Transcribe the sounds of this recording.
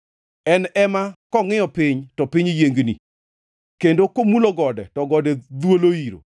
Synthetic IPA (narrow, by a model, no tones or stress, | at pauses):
ɛnɛmakɔŋɪjɔpɪɲtɔpɪɲjeŋɡnḭ | kendokomuloɡɔdɛtɔɡɔdɛd̪woloiɾo̰